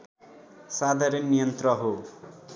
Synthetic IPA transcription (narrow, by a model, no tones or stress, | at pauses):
sad̪ʱaɾʌnːijʌnt̪rʌɦo